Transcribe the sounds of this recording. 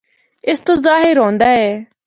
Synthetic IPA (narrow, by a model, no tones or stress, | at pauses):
ɪst̪õːzaːɦɪɾɦɔ̃ːnd̪aːɛː